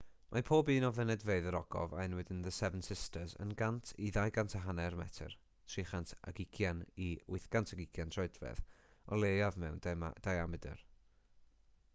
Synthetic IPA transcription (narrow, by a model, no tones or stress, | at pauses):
mʔapʰoːbiːnɔvɛnɛdveɨðəɾɔɡ̥ɔ̰vaɪnwɪdɪnðəsɛvənsɪstəzə̰nɡantʰiðajɡantʰaɦanɛrmɛ̰tʰə̰r | tʰriːχantʰa̰ɡɪkʰjaniʊɨθɡ̥antʰaɡɪkʰjantʰrɔɨdvɛ̰ð | ɔlˠejavmɛwnd̥ajamɨdə̰r